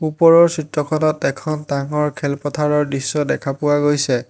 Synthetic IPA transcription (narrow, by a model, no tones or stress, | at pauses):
upɔɹɔɹsitɹɔkʰɔnɔtɛkʰɔntaŋɔɹkʰɛlpɔtʰaɹɔɹdisːɔdɛkʰapʊwaɡojsɛ